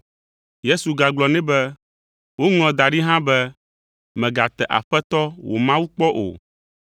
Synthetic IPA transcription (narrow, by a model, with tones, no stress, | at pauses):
je˦su˨ɡa˨ɡ͡blɔ˨nɛ̃˦bɛ˦ | wo˦ŋl̃ɔ̃˨d̪a˨ɖi˦ɦã˦bɛ˦ | mɛ̃˨ɡa˨t̪ɛ˨ʔa̰˨ɸɛ˦t̪ɔ˦wʔo̰˨mã˦wu˦k͡pɔ˦ʔo̰˨